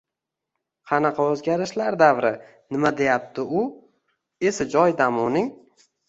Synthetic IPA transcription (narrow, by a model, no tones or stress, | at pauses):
qʰɑnɑqʰɑɵzɡʲaɾɪʃlaɾd̪avɾɪ | nɪmad̪e̞jap̚t̪ʰɪʊ | e̞sad͡ʒɒjd̪amʊnɪŋ